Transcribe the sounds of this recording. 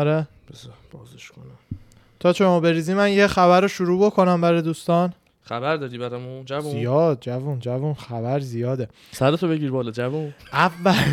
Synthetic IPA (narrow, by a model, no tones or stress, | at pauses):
ɒɾe | b̥ezb̥ɒːzeʃkʰonæm | t̪ʰɒːt͡ʃʰemɒːbe̞ɾiːzimænjexæβæɾoʃuɾuːbo̞kʰo̞næmbæɾɒd̪uːst̪ɒn | χæbæɾd̪ɒːɾiːbæɾæmud͡ʒævzuzijɒːd̪̚d͡ʒævund͡ʒævunxæbæɾzijɒːd̪e̞ | sæɾet̪ʰobeɡiːɾbɒːlɒd͡ʒævunʔævːæl